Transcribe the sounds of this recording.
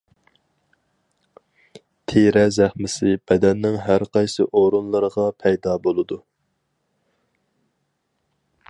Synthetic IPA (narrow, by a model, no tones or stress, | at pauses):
t̪ʰeɾɛzæχmɪsɪb̥ɛd̪ɛnːɪŋɦæɾqɑjsɨʔoɾunlˠɨɾəʁɑpʰɛjd̪ɑːbolˠɨd̪u